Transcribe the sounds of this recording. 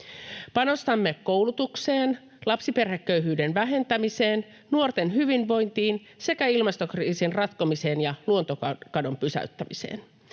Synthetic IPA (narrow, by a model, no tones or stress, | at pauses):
pɑno̞st̪ɑmːe̞kːowlut̪ukse̞ːn | lɑpsipe̞rhe̞kːø̞ɥɦyːde̞nʋæɦe̞nt̪æmise̞ːn | nuo̞rt̪e̞nɦyʋinʋo̞jnt̪iːn | se̞kæilmɑst̪o̞kriːsinrɑt̪komise̞ːnjɑluo̞nt̪o̞kɑdo̞mpysæ̰yt̪ːæmisḛːn